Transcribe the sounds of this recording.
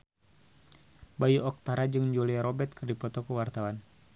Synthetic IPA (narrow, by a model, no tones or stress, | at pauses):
bajuɔk̚t̪aɾad͡ʒɨŋd͡ʒoliaɾɔbɛt̪̚kɨrdipɔt̪ɔkəwart̪awan